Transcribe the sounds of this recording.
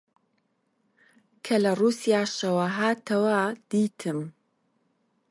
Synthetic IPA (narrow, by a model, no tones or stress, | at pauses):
kʰɐlɐruːsijaːʃɐwaɦaːt̪ʰɐwad̪̥iːt̪ʰɨm